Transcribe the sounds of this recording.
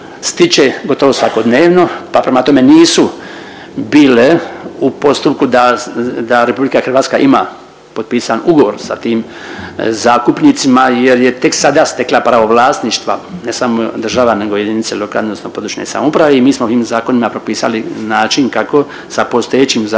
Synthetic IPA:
st̪it͡ʃeɡo̞t̪o̞ʋosʋako̞d̪neːʋno̞papɾemat̪o̞me̞niːsu | biːleupo̞st̪up̚kud̪ad̪aɾe̞publikaxɾr̩ʋaːt̪skaʔimaː | po̞d̪̚piːsanuɡo̞ʋo̞ɾsa̰t̪iːm | zaːk̪upnit̪simajeɾje̞t̪e̞ksad̪ast̪e̞klapɾaʋo̞ʋlaːst̪niʃt̪ʋanesamod̪r̩ʒaʋane̞ɡo̞je̞d̪init̪seloka̰lnnosnopo̞d̪ɾuʃɲḛsa̰moupɾaʋeimiːsmot̪iːmzaːko̞nimapɾopiːsa̰linaːt͡ʃinkako̞ | sapo̞st̪ojet͡ɕimza

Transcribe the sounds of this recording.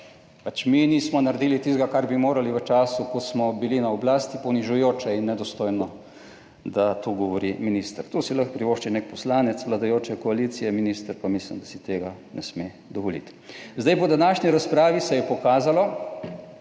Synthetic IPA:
pat͡ʃminiːsmɔnaɾd̪iːlit̪ist̪ɡakaɾbimoːɾaliʋət͡ʃaːsukɔsmɔbilinaɔblaːst̪ipɔniʒujoːt͡ʃɛinːɛd̪ɔst̪oːjnɔ | d̪at̪uɡɔʋɔɾiminiːst̪əɾt̪usiləxpɾiʋoːʃt͡ʃɛnɛkpɔslaːnɛt̪sʋlad̪ajoːt͡ʃɛkɔaliːt̪sijɛminiːst̪ɾpamislḭmd̪asit̪eːɡanʔɛsme | d̪ɔʋɔlḭt̪ | zd̪ajpɔd̪anaːʃniɾaspɾaːʋisɛjɛpɔkaːzalɔ

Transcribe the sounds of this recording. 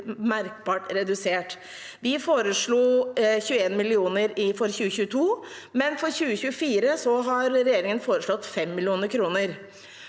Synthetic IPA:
mæɾk̚bɑːʈɾɛd̪ʉseːʈ | ʋɪfoːɾəʂɭuːçʉːəeːnmɪlɪuːnəɾɪfɔɾçʉːəçʉːət̪ʰuː | mɛnfɔɾçʉːəçʉːəfiːɾəsɔɦɑɾɾɛjeːɾɪŋənfoːɾəʂɭɔt̪ːfɛmːɪlɪuːnəɾkʰɾuːnəɾ

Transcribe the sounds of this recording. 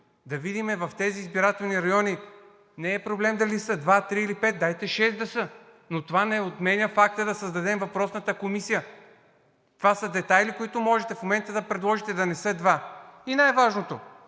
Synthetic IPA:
d̪ɐvid̪imɛvɐft̪ɛziːzbiɾat̪ɛlˠniɾɐjɔni | nɛːpɾoblɛmd̪ɐlisəd̪vat̪ɾiːlipɛt̪̚d̪ajt̪ɛʃɛsd̪ɐsɤ | not̪ovanɛot̪mɛnʲəfak̚t̪əd̪ɐsəzd̪ɐd̪ɛmvɐpɾɔsnət̪əkomisijə | t̪ovasəd̪ɛt̪ajlikoit̪ʊmɔʒɛt̪ɛfmomɛnt̪əd̪ɐpɾɛd̪lˠɔʒit̪ɛd̪ɐnɛsɤd̪vainajvaʒnot̪o

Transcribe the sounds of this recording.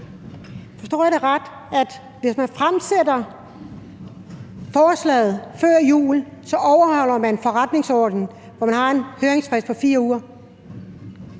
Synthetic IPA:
fɒ̽sd̥o̰ːjæɾeʁad̥ | æd̥ | ʋe̝smænfʁamsedɐ | fɒːslɛ̰ːð̩ˠfɶɐ̰jṵːlsɒ̽ʔɒʊɐhɒʊl̰ɐmænfɒ̽ʁad̥ne̝ŋsɒ̰ːd̥n̩ | ʋɒmænhɑ̈e̝nhøːʁeŋsfʁɛspʰɒ̽fiːɐuːɐ

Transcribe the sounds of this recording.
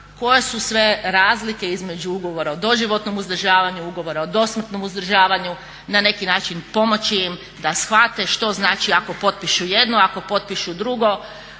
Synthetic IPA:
ko̞je̞susʋe̞ɾaːzlike̞izme̞d͡ʑuuɡo̞ʋoɾaod̪o̞ʒiʋo̞t̪nomuzd̪r̩ʒaːʋaɲuuɡo̞ʋo̞ɾaod̪o̞smr̩t̪no̞muzd̪r̩ʒaːʋaɲu | nane̞kinaːt͡ʃinpo̞mo̞t͡ɕijim | d̪asxʋat̪e̞ʃt̪o̞znaːt͡ʃiako̞po̞t̪̚piʃujed̪noako̞po̞t̪̚piʃud̪ɾuɡo̞

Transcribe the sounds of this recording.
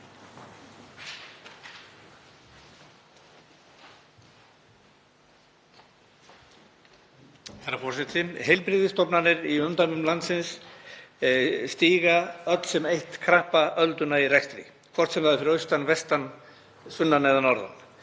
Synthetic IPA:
haɾafɔɾ̥sɛt̪ʰɪmhejlpɾɪːðɪst̪ɔpnanːɪɾiʏmt̪amʏmlant̪sɪns | st̪iːɣaœt̪l̥sɛmejht̪kʰɾahpaʔœlt̪ʏnairɛxst̪ɾɪ̰ | kʰvɔrt̪sɛmlaðɪfɪɾœɥst̪anvɛst̪an | sʏnːanɛðanɔɾða̰n

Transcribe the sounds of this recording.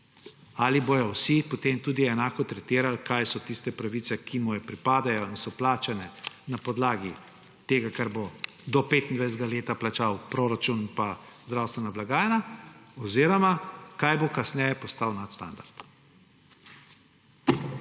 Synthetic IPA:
aliboːjɔwsipɔt̪eːmt̪uːd̪iɛnaːkɔt̪ɾɛt̪iːɾalkajsɔt̪ist̪ɛpɾaʋit̪sɛkʰimujɛpɾipaːd̪ajɔinsɔplaːt͡ʃanɛ | napɔd̪laːɡi | t̪eːɡakaɾbo | d̪ɔpet̪ind̪ʋajszd̪ɡaleːt̪aplat͡ʃawpɾoɾat͡ʃuninpazd̪ɾawst̪ʋɛnablaɡaːjɛnaɔziːɾɔmakajbokasnɛjɛpɔst̪awnat̪st̪a̰nd̪aɾt̪

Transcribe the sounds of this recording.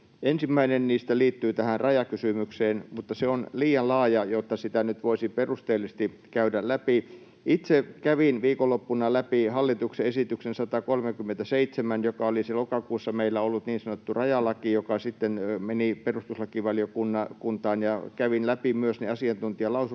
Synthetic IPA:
ʔensimːæinenniːst̪æliːt̪ːyːt̪æhænrɑjɑkysymykseːnmut̪ːɑseonliːjɑllɑːjɑjot̪ːɑsit̪ænyt̪ʋoisiperust̪eːlːˑist̪i | kæydællæpi | it̪sekæʋinʋiːkolːopːunɑlæpihɑlːit̪ukseesit̪yksensɑt̪ɑkolmekymːent̪æseit̪semænjokɑoliselokɑkuːsːɑmeilːæolːut̪niːnsɑnot̪ːurɑjɑlɑkijokɑsit̪ːenmeniperust̪uslɑkiʋɑljokunːɑkunt̪ɑːnjɑkæʋinlæpimyøsneɑsiɑnt̪unt̪iɑlɑusu

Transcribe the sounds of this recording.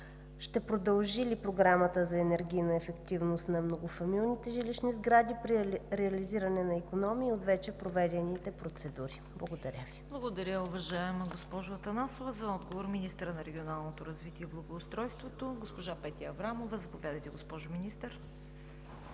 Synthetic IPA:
ʃt̪ɛpɾod̪ɐlˠʒilipɾoɡɾamət̪əzɐɛnɛɾɡʲijnɐɛfɛkt̪ivnost̪nɐmnoɡofɐmilˠnit̪ɛʒiliʃnizɡɾad̪ipɾiɾɛɐliziɾɐnɛnɐikonɔmiːot̪vɛt͡ʃɛpɾovɛd̪ɛnit̪ɛpɾot̪sɛd̪uɾiblˠɐɡod̪ɐɾʲəviblˠəɡod̪ɐɾʲjəʊvɐʒaɛməɡospɔʒʊɐt̪ɐnasovɐzɐɔd̪ɡovoɾminist̪əɾənɐɾɛɡʲionalˠnot̪oɾɐzvit̪iɛblˠɐɡoːst̪ɾɔjst̪vot̪oɡospoʒapɛt̪ʲiɐvɾamovɐzɐpovʲjad̪əjt̪ɛɡospɔʒʊminist̪əɾ

